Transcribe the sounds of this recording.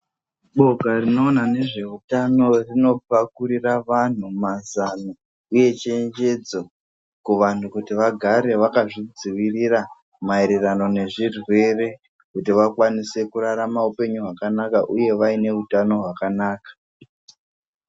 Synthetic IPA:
ɓo̞ɡarino̞ːnane̞ʐe̞utano̞rino̞pakuɾiraʋan̤umazano | uje̞t͡ʃeɲd͡ʒe̞d͡zo | kuʋan̤ukutiʋaɡʱaɾe̞ʋakaʐid͡ziʋirira | maeɾerano̞ne̞ʐirwe̞re̞ | kutiʋakwanise̞kuɾaɾamaupe̞ɲuɦwakanakaʔuje̞ʋaine̞utano̞ɦwakanaːkḁ

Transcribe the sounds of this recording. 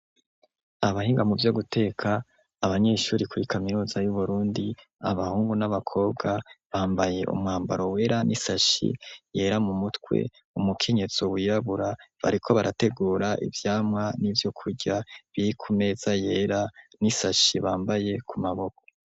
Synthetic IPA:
aβaɦiːŋɡamuvjo̞ɡute̞ːkʰaː | βaɲe̞ʃuːɾikuɾikaminuːzajuβuɾuːndi | aβahuːŋɡunaβakʰo̞ːb̚ɡaβaːmbaje̞ʔṵmŋaːmbaɾo̞we̞ɾanʔisaʃḭje̞ːɾamumutkwḛ | umukʰe̞ɲe̞z̥owijaβuɾaβa̰ɾikʰo̞βaɾʔate̞ɡuːɾaʔḭvjaːmŋanivjo̞kʰuɟaβiɾikʰume̞ːz̥ajeɾanisaʃiβaːmbaje̞kʰumaβo̞ko

